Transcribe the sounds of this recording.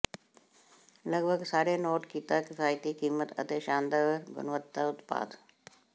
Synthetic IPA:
lɐɡbʱəɡsaːɾenoːʈkiːt̪akɪfaːjt̪ikiːmət̪ɐ̰t̪eʃãːnd̪əʋɾɡʊ̰nʋət̪ːaʊt̪pa̰ːd̪

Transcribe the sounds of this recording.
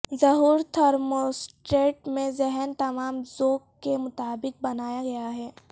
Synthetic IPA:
zɐɦuːɾt̪ʰɐɾmosʈɾeːʈmẽzɛɦɛnt̪ɐmaːmzoːk̚kːemʊt̪aːbɪk̚bɐnaːjaɡɐjaɦɛː

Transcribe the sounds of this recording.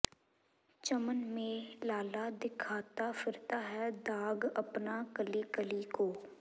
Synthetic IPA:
t͡ʃəmənmẽlaːlad̪ɪkʰaːt̪afɪɾt̪aɦɛd̪aːɡɐpnakəlikəlikoː

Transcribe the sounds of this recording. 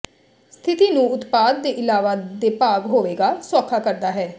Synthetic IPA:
st̪ʰɪt̪iːnũːʊt̪paːd̪ːeːʔɪlaːʋaːd̪eːpaːɡɦoːʋeːɡaːswaːkʰːaːkəɾd̪aːɦɛː

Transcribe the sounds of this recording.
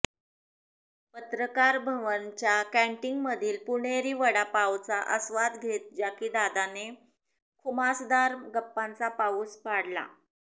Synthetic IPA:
pət̪ɾəkaɾbʱəʋənt͡ɕjakæ̃ɳʈiŋɡməd̪ʱiːlpuɽ̃eɾiːʋəɽapawt͡saʔəsʋad̪ɡʱet̪̚d͡ʑakiːd̪ad̪ane | kʰumasd̪aɾɡəpːãnt͡sapauːspaɽla̰

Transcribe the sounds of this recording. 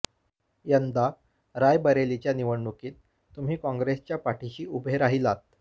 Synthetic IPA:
jənd̪a | ɾajbəɾelit͡ɕjaniʋəɳɳːukiːt̪ | t̪um̤iːkɔ̃ŋɡɾest͡ɕjapaʈʰiɕiːubʱeɾaɦilat̪̚

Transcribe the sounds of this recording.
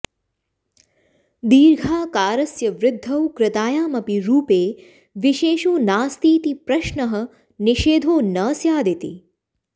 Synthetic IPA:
d̪iːɾɡʱaːkaːɾɐsjɐʋɾɪd̪ʱːɐwkɾɪt̪aːjaːmɐpiɾuːpeː | ʋiʃeːʃoːnaːst̪iːt̪ipɾɐʃnɐɦɐ̆ | niʃeːd̪ʱoːnɐsjaːd̪it̪ḭ

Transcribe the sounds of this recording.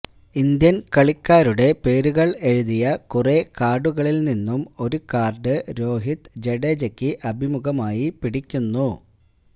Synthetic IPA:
ind̪jɐnkɐɭikʲːaːɾuɽe̞pe̞ːɾuɣɐɭe̞ɻuðijɐkurekaːɽuɣɐɭilninːumo̞ɾukaːrɖɨɾo̞ːɦit̪d͡ʑe̞ɽeːd͡ʑɐkʲːɨʔɐbʱimuɣɐmaːjipiɽikʲːunːu

